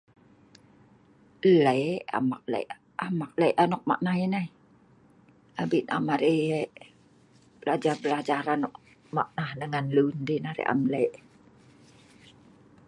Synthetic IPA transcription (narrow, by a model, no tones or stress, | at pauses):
ləʔa̰mak̚lə̰ʔ | amak̚ləjʔanɔk̚ma̰ʔnaɦinai | abiʔna̰maɾiʔ | bəlad͡ʒarbəlad͡ʒaɾanɔʔ | maʔnahnəŋanluundinaɾḭʔa̰mləjʔ